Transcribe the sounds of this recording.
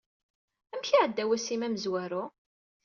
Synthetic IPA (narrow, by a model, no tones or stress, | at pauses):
æmçiʕəd̪ːæwæsimæməzwæɾʊ